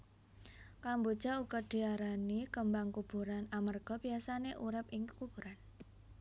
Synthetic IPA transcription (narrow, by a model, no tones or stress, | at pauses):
kambod̥ʒ̥a̤uɡɔɖ̥i̤aɾanikəmbaŋkub̥ṳɾanamərɡ̥ɔbiasaneʔuɾɪpɪŋkəkub̥ṳɾan